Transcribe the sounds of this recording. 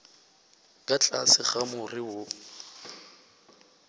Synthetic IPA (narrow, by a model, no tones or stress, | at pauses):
kʼat͡ɬʼasɪχamʊrɪwʊ